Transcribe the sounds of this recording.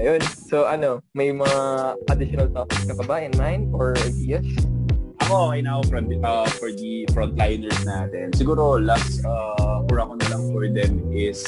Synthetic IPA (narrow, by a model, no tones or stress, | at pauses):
ɐjonsoʔɐno̞mɐjmɐŋaʔɐd̪ɪʃɔnɐlt̪okskɐbɐbaːʔɪnmajnʔoɹʔajd̪iːɐsʔɐkookɛjnaʔofɾnd̪ʔafɔɹd̪ifɹɔ̃nt̪lajnɛɹsnaːt̪ɛnsɪɡuːɾolapsaʔuɹɐkonɐlɐŋfɔɹd̪ɛmɪs